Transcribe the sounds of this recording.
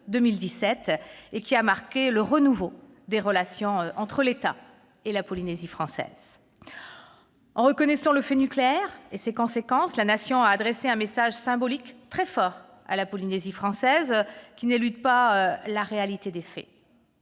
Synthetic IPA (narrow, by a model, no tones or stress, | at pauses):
d̪əmild̪isɛt̪ekʲiamaʁkʲeləʁənuvo | d̪eʁəlasjɔ̃øʔɑ̃t̪χəlet̪a̰ | elapɔlinezifχɑ̃sɛ̰z̥ | ɑ̃ʁəkɔnɛsɑ̃ləfɛnykleɛʁesekɔ̃sekɑ̃slanasjɔ̃aːd̪ʁɛseɛ̃mesaʒsɛ̃bɔlikt̪χɛfɔʁ | a̰lapɔlinezifχɑ̃sɛzkʲinelyd̪paølaʁealit̪ed̪efɛ̰